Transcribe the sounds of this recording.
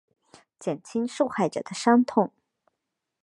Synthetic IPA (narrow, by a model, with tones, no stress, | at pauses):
t͡ɕjɛ˨˩nt͡ɕʰi˥ŋʂu˥˧xa˥˩ɪʈ͡ʂɤ̰˨˩d̪ə˦ʂɑ˥ŋt̪ʰʊ˥˩˦ŋ